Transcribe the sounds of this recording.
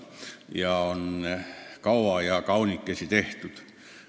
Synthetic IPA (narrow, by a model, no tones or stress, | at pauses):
jɑonnekɑuʋɑːˑjɑkɑunikːesit̪eht̪yt̪